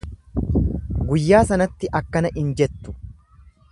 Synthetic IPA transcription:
ɡʊjːaːsɐnɐt̪ːɪʔɐkːɐnɐʔɪnd͡ʒɛt̪ːʊ̥

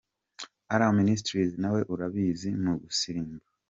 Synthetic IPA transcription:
aɾaominis̬tɾizinawe̞ʔuɾaβiːzinuβusiɾiːmba

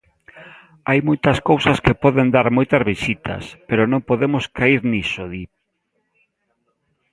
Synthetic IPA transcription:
ajmojt̪ɐskowsɐskepɔðend̪aɾmojt̪ɐzβisit̪ʰɐ̰speɾonõŋpoðemʊskʰaiɾnisoði

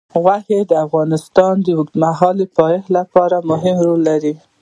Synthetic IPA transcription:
ɣwahed̪əafɣɑnɪst̪ɑnd̪əwʊk̪maɦɑləpɑjehlapɑɾamʊɦɪmɾolːaɾi

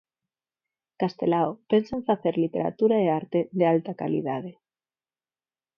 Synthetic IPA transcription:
kast̪e̞laope̞nseɱfaθe̞ɾlit̪e̞ɾa̰t̪uɾaeaɾt̪e̞ðealt̪aka̰lḭð̞að̞e̞

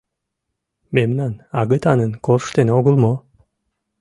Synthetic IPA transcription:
memnanɑɡɨt̪ɑnɨnkoɾʃt̪eneoɡulˠmo

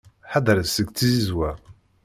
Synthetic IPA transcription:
ħad̪ɾəsəɡt͡sːizizwæ

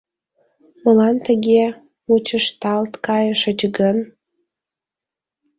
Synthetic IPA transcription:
məlɑnt̪əɣe | mut͡ɕəʃt̪ɑlt̪kɑjəʃət͡ɕɡən

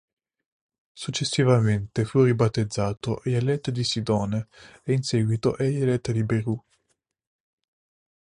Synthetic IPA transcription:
sut͡ʃːesːivament̪efuribat̪ːed̪zːaːt̪oʔɛelɛt̪ːd̪isid̪ɔːneeinsɛːɡwit̪oʔɛjelɛt̪ːd̪ibeɾu

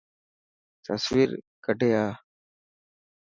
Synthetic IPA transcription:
t̪əsʋiːɾkəʈeːaː

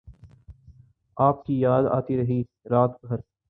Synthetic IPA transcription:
aːp̚kijaːd̪a̰ːt̪iɾɐɦiː | ɾaːt̪ɡʱɐɾ

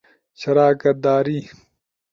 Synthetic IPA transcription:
ɕɐɾaːkɐt̪̚d̪aːɾiː

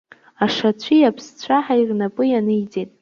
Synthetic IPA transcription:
aʂat͡ɕʷʰijapʰst͡ɕʷʰaħairnapʼɨjanɨjd͡zʼetʼ

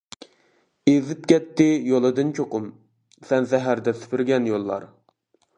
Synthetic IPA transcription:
ezɪp̚kʲɛt̪ːɪjolˠɨd̪ɨnt͡ʃʰoqʊm | sɛnsɛɦæɾd̪ɛsy̥pʰɪɾɡʲɛnjolˠːɑ̰ɾ

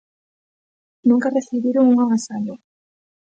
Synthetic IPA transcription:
nũŋkareθiβiɾoŋuŋamasaʎo

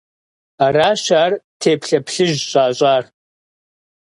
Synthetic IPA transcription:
aɾaːʃaːrtʰeːpʰɬɐpʰɬɨʒɕʼaːɕʼaːr

